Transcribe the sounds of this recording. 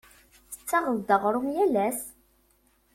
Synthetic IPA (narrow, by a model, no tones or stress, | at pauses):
θə̥t͡sːɑʁəld̪əʁɾˤʊmjælæs